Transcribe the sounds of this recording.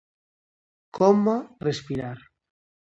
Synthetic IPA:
kʰɔmarespiɾaɾ

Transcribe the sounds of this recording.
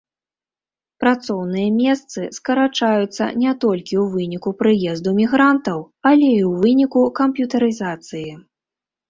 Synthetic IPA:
pɾat̪sɔwnɨjɐmʲɛst̪sɨskɐɾat͡ʂajut̪sːɐ̰nʲɛt̪ɔlʲkʲiwvɨnʲikupɾɨjɛzd̪umʲiɣɾant̪ɐw | ɐlʲɛiwvɨnʲikukɐmpjut̪ɐɾɨzat̪sɨji

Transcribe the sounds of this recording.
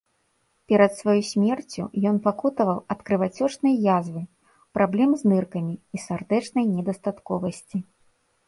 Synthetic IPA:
pʲɛɾɐt̪svajusʲmʲɛrt͡sʲṵjɔnpakut̪ɐvɐwɐt̪kɾɨvat͡sʲɔt͡ʂnɐjjazvɨ | pɾʔablʲɛmznɨrkɐmʲiisard̪ɛt͡ʂnɐjnʲɛd̪ɐst̪at̪kɔvɐsʲt͡sʲi

